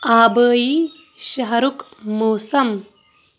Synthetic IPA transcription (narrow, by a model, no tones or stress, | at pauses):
aːbəːji | ɕɐɦɐɾukmoːsɐm